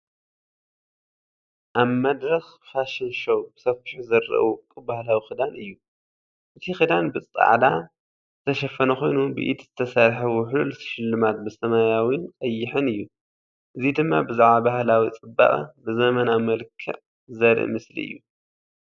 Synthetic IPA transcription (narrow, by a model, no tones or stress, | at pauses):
ʔaβmɐd̪ɾɐxfaʃɪnʃowbɨsɐfɨħuzɐɾɐ̰ʔkʼɨbahlawixɨd̪anɨjːu | ʔɨt̪ʰixɨd̪anbɨt͡sʼa̰ʕd̪a | zɨt̪ʰɐʃɐfɐnɐxo̞jnubɨ̰ʔḭt̪zɨt̪ʰɐsaɾħɐwɔħɨllsʃɪlːɨmat̪̚bɨsɐmajawinkʼɐjːɪħɨnɨjːu | ʔɨzid̪ɨmːa̰bɨzuʕabahlawit͡sʼɨba̰ʔʼa̰bɨzɐmɐnamɐlkʰɐ̰ʕ | zɐɾɨ̰ʔmɨslḭɨ̰jːu